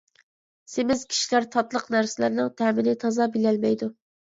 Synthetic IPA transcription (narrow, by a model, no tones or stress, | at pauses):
sɪmɪzkʲʰi̥ʃilæɾt̪ʰɑt̪lˠəqnæɾsɪlæɾnɨŋt̪ʰæmɪnɪt̪ʰɑzɑbilɛlmɛjd̪u